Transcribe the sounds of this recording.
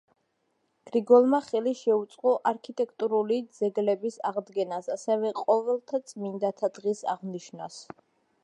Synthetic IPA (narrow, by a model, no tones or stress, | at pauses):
ɡ̥ɾiɡɔlˠmaχɛliʃɛut̪sʼqʼɔʔaɾkʰit̪ʼɛkʰt̪ʼuɾulid̪zɛɡlɛbisaʁd̪ɡɛnasasɛvɛqʼɔvɛlˠt̪ʰat̪sʼmind̪at̪ʰad̪ʁisa̰ʁniʃnas